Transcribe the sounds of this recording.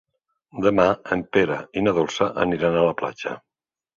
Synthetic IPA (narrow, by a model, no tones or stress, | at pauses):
d̪əmaəmpeɾainaðolˠsəʔə̰niɾanaləpla̰t͡ʃə̰